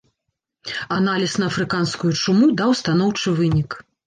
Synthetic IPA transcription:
analʲisnɐɐfɾɨkanskujut͡ʂumud̪awst̪anɔwt͡ʂɨvɨnʲik

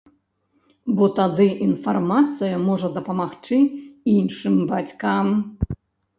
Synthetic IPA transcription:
bɔt̪ad̪ɨʔinfarmat̪sɨjɐmɔʐɐd̪ɐpɐmaxt͡ʂɨinʂɨmbat͡sʲkam

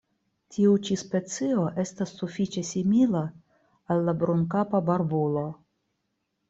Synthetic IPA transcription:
tʲʰiut͡ʃispe̞t͡sio̞ʔe̞stasːufit͡ʃe̞simila | alːabɾuŋkapabaɾbulo̞

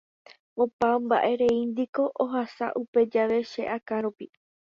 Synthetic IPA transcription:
opambaʔe̞ɾe̞ind̪iko̞ʔoɦasa̰ʔupe̞d͡ʒaʋe̞ʃe̞ʔakãɾupi

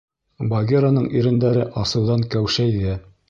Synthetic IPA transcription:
bɐɡʲeɾanɤɴiɾɘ̆nd̪æɾɘʔɑsɤ̆wðɑŋkæwʃæjðiæ

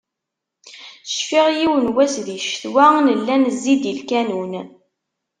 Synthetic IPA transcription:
θə̥ʃfiʁjiwənwæsðiʃθwænəlːænəzːid̪ilkænun

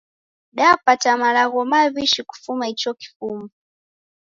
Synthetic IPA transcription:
ɗapatamalaɣɔmaβiʃiku̥fumait͡ʃɔki̥fumu

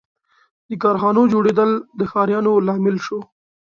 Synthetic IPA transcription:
d̪əkɑɾxɑnod͡ʒoɽed̪əld̪əxɑɾjɑnolɑmɪlʃo

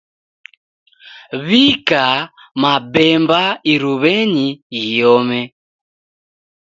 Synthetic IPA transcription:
βika | mabɛmbaiɾuβɛɲiiɔmɛ

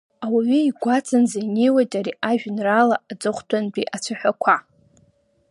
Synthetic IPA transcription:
awaɥiiɡʷat͡sʰʼanzainejwajtʼaɾiaʒᶣnralaːd͡zɨχʷtʰanbʼiʔat͡sʷʰaħʷᶣakʷʰa

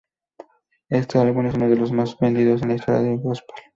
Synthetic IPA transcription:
est̪osalɣunesunoðelozmazbend̪iðos̬enest̪ɾa̰ðjokospḁl

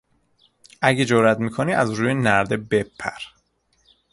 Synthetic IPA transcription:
ʔæɟed͡ʒoɾæt̪miːkʰoniːæzɾuːjenæɾd̪e̞bepʰːæ̰ɾ

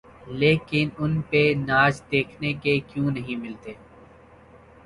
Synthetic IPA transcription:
leːkɪnʊnpenaːd͡ʒd̪eːkʰnekekjũːnɐɦĩmɪlt̪eː

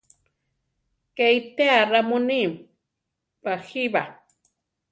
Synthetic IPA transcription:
kejt̪earamunim | paxiβa

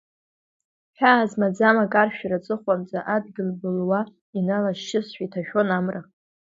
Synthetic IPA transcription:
ħᶣaːzmad͡zamakʼarʃᶣɾat͡sʼɨχʷamt͡sʼaʔadɡʲɪlbɨlwa | inalaʃʃɪsʃʷᶣitʰaʃᶣonamra

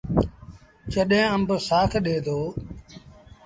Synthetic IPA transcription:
t͡ʃəɗɦẽːəmbəsaːkʰɗeːd̪oː

